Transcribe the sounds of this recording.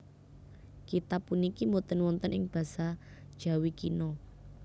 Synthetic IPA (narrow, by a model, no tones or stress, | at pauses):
kit̪apːunikimot̪ənwɔnt̪ənʔɪŋb̥ä̤sad̥ʒ̥ä̤wikinɔ